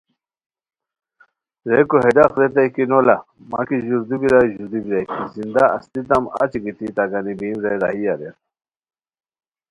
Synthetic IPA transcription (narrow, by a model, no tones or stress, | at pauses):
ɾejkoɦeɖaqɾet̪ajkinola | ma̰kiʑuɾd̪ubiɾajʑuɾd̪ubiɾajkizind̪aɐ̰st̪it̪ɐma̰t͡ɕiɡit̪it̪aɡanibimɾeɾa̰ɦijad̪eɾ